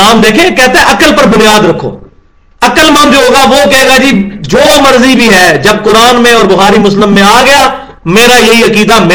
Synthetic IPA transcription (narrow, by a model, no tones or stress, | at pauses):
aːmd̪eːkʰẽkɛɦt̪eɦɛ̃ʔɐkəlpɐɾbʊnijaːd̪ɾɐkʰːo̰ː | ɐkəlmãnd͡ʒoɦoːɡaʋoːkɐɦeːɡaːd͡ʒiːd͡ʒoːomɐɾzibʱiɦɛːd͡ʒɐb̚kʊɾaːnmẽɔːɾbʊxaːɾimʊslɪmːẽaːɡɐjaː | meːɾajɐɦiɐkiːd̪ame